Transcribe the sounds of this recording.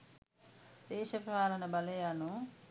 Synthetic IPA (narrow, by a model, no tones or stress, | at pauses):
d̪ɛːʃɐpɾɐʋaːlɐnɐbɐlɐjaːnu